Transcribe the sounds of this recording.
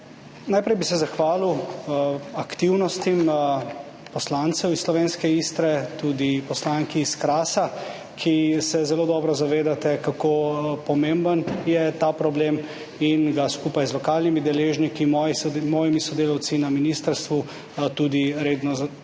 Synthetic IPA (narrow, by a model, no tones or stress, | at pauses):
najpɾɛjbisɛzaxʋaːliw | akt̪iwnɔst̪im | pɔslaːnt̪sɛwisːlɔʋeːnskɛist̪ɾɛt̪ud̪ipɔslaŋkiːskɾaːsa | kʰisɛzɛloːd̪ɔbɾɔzaʋeːd̪at̪ɛkakopɔmẽmbənjɛt̪apɾɔbleːm | inɡaskupajzlɔkaːlnimid̪ɛleːʒnikimɔjimɔːjimisɔd̪eːlawt̪sinaminiːst̪əɾst̪ʋu | t̪ud̪iɾeːd̪nɔz